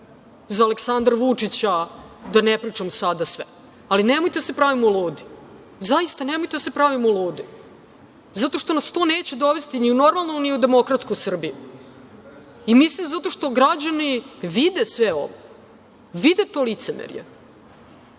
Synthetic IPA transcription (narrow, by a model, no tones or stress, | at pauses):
zaːleksand̪ɾaʋut͡ʂit͡ɕad̪anepɾit͡ʂamsad̪asʋɛ̰ | alinemojt̪easepɾaʋimuluːd̪i | zaist̪anemojt̪ed̪asepɾaʋimuluːd̪i | zat̪o̞ʂt̪o̞nast̪o̞ːne̞ːt͡ɕed̪o̞ʋe̞st̪iniuno̞ɾmalˠnoniud̪e̞mo̞kɾat̪skojsr̩biju | imislimzat̪o̞ʂt̪o̞ɡɾad͡ʑaniʋid̪esʋeo̰ʋo | ʋid̪et̪o̞lit̪semḛɾjḛ